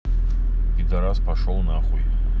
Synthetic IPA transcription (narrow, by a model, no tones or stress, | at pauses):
ɡʲidaɾazpʰaʂolnaχujtʼ